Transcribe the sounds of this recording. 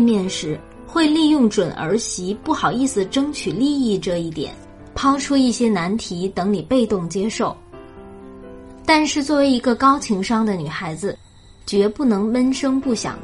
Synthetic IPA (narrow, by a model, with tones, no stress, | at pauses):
mjɛ˥˩nʂɻ̩˧˥ | xwe˥˧ɪli˥˧jʊ˥˩ŋʈ͡ʂwə˨˩nʔə̰˞˧˥ɕi˧˥pu˥˩xɑ˨˩ʊi˥˩sɹ̩˨˩ʈ͡ʂɤ˥ŋt͡ɕʰy˨˩li˥˧i˥˧ʈ͡ʂɤ˥˧i˥˩t̪jɛ̰˨˩˦n | pʰɑ˥ʊʈ͡ʂʰu˥i˥˩ɕjɛ˥na˧˥nt̪ʰi˧˥t̪ɤ˧˥ŋli˨˩pe˥˧ɪt̪ʊ˥˩ŋt͡ɕjɛ˥ʂo˥˩ʊ | t̪a˥˧nʂɻ̩˥˧t͡swɔ˥˩we˧˥ɪi˧˥ɡə˧kɑ˥ʊt͡ɕʰi˧˥ŋʂɑ˥ŋd̪ə˨ny˨˩xa˧˥ɪd͡zɹ̩˧ | t͡ɕɥɛ˧˥pu˥˩nɤ˧˥ŋwə˥nʂɤ˥ŋpu˥˩ɕjɑ̰˨˩˦ŋ